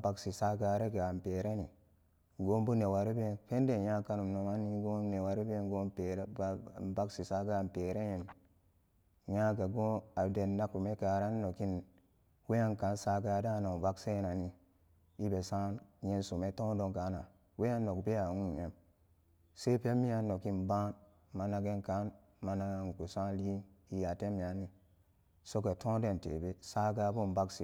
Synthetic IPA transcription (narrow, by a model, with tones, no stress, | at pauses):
ba˦ksi˨sa˦ɡa˦ɾe˦ɡa˨mpe˨ɾe˦ni˨ | ɡo˦m˦bu˦ne˨wa˨ɾi˦be˦nfe˦nde˨ja˦ka˦nu˨no˨ma˦ni˦ɡo˦ne˨wa˨ɾi˦be˦nɡo˦pe˨ɾa˨ba˦ksi˨sa˦ɡa˦˨mpe˨ɾe˦je˨n | ja˦ɡa˨ɡo˦a˨de˨nna˦ku˨me˦ka˨ɾa˦n˦no˨ki˦n | we˦ja˦nka˨˦nsa˦ɡa˦da˦no˨va˦kse˦na˨ni˦ | i˦be˨sa˦nje˦nsu˨me˦tõ˦do˨ŋka˨˦na˨ | we˦a˦nːo˨kbe˦a˨nu˦˨je˦m | se˦pe˦mi˦ja˦nːo˨ki˦nbã˦n | ma˨na˨ɡe˦nka˨˦n | ma˨na˦ɡa˦ŋ˨ku˨sã˦li˦ni˦ja˨te˦mi˨a˨˦ni˦ | so˦ke˨tõ˦de˦˨ntḛ˨be˦sa˦ɡa˦bo˦m˨ba˦kse˨